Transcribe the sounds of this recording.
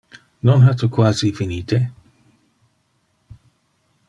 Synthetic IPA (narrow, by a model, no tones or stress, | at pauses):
nɔnɦat̪ukwaːzifiniːt̪e